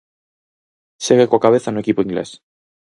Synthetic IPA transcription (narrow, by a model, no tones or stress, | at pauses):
seɣekoakaβ̞eθanũe̞kipoiŋɡlḛs